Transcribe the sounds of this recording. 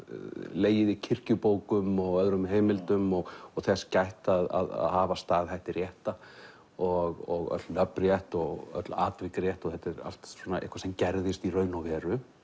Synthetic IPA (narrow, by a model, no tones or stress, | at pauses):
leːjɪðɪcʰɪr̥cʏpoːwkʏmɔɣœðɾʏmɦeːjmɪlt̪ʏmɔɣɔɣθɛscajht̪aða̰ða̰ðhaːvast̪aːðhajht̪ɪrjɛht̪a | ɔɣɔɣœ̰t̪lnœprjɛht̪ɔɣœ̰t̪la̰ːt̪vɪkrjɛht̪ɔɣθɛt̪ːɛɾa̰l̥t̪swɔːnaḛhkʰvasɛmcɛɾðɪst̪irœːɥnɔvɛːɾʏ